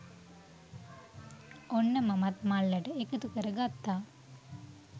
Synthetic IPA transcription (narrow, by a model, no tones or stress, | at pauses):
onːəmamat̪malːəʈəekət̪ukəɾəɡat̪ːaː